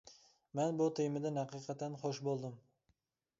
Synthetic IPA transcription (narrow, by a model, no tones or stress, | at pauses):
manbʊt̪ʰɪjmɪd̪anhɑqɨjqʰɑt̪anχoʃbolˠd̪ɪm